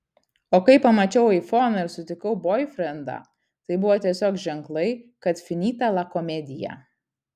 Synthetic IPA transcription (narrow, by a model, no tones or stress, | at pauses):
oːkɐɪpɐmɐt͡ʃʲɛʊɐɛɪfoːnɐɪɾsʊt̪ʲɪkɐʊboːɪfʲɾʲɛnd̪ɑ̰ː | t̪ɐɪbʊʋoːt̪ʲiɛsʲoːkʒʲɛŋklˠɐɪkɐt̪fʲɪnʲiːt̪ɐlˠɐkɔmʲɛd̪ʲɪjæ̰ː